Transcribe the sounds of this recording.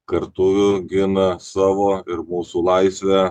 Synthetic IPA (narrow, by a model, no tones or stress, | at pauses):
kɐɾt̪ʊʋʲʊɡʲɪnɐsɑːʋoːɪɾmuːsuːlˠɑɪsʲʋʲɛ